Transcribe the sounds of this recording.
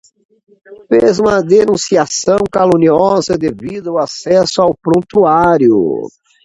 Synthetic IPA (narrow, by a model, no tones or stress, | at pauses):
fezũmɐd̪enũsiasɐ̃w̃kalõniɔzɐd̪evid̪ʊʊasɛsʊawpɾõt̪uaɾjʊ̰